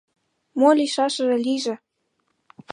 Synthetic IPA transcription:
molʲiʃɑʃɤ̆ʒĕlʲiʒĕ

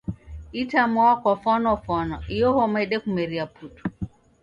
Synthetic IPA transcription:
itamɔwakwafɔnɔfɔnɔijɔhɔmaiɗɛkumɛɾiapʰutu̥

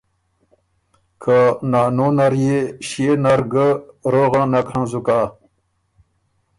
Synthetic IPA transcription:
kʰanaːnonaɾjeɕenaɾɡəɾoɣanakʰãnzukaː

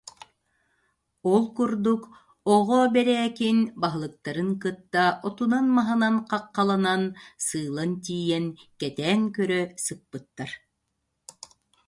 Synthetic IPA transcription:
ɔlˠkuɾd̪uk | ɔʁɔbɛɾɛːkinbaɦɯlˠɯk̚t̪aɾɯŋkɯt̪ːaʔɔt̪unanmaɦɯnanqɑqːɑlˠanansɯːlˠant̪̬iːjɛnkɛt̪ɛːŋkœɾœsɯk̚pɯt̪ːaɾ

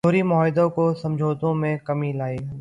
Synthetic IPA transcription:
oːɾimʊɔːɪd̪õkosɐ̃md͡ʒʱoːt̪õmẽkɐmilaːiɦ

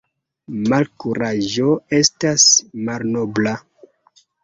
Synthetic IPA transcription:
malkuɾaʒo̞e̞stasmalno̞bla

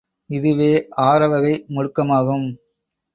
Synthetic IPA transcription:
ɪðɯʋeːʔaːɾɐʋɐɣɐɪmɔɻɯkːɐmaːɣɯm

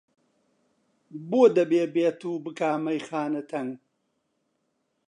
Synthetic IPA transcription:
boːd̪ɐbeːbeːt̪uːbɨkaːmɐjxaːnɐt̪ʰɐŋ

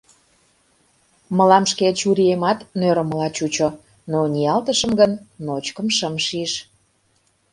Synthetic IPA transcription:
məlɑmʃket͡ɕuɾiemɑt̪nøɾəməlɑt͡ɕut͡ɕo | noniɑlt̪əʃəmɡənːot͡ɕkə̆mʃəmʃiʃ

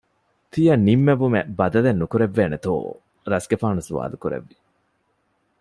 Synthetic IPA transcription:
t̪ʰijɐnːimːeʋumebɐd̪ɐlenːukuɾeʋːeːnet̪o̰ː | ɾɐsɡefaːnusuʋa̰ːlukuɾḛʋːi

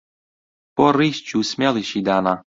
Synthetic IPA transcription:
pɔɾist͡ʃusmʲaliʃid̪ana

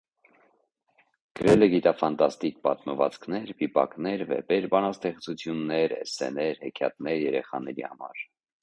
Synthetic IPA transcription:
ɡ̥əɾɛlɛɡit̪ɑfɑnt̪ɑst̪ik̚pɑt̪məvɑt͡skʰnɛɾbipɑ̰knɛɾvɛ̰bɛɾbɑnɑst̪ɛχt͡sut͡sʰjunːɛɾɛ̰sɛ̰nɛɾhɛkʰjɑ̰t̪̚nɛɾjɛɾɛχɑnɛɾḭhɑmɑ̰ɾ

